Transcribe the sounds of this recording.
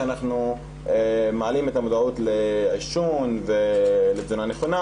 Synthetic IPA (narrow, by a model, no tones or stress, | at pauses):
anaχnu | emeʕalimet̪amod̪aut̪leʕiʃunvelezonaneχona